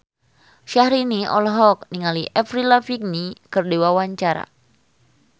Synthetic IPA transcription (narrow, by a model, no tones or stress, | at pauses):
ʃahɾiniʔɔ̰lɦɔk̚niŋaliʔɛfrilafik̚nikɨrdewawaɲt͡ʃaɾa̰